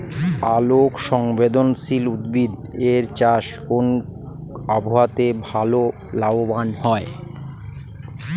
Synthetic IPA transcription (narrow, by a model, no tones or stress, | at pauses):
alokʃɔŋbed̪onsilud̪̚bid̪eɾt͡ɕaʃkon | abʱoat̪ebʱalo | laobanhɔe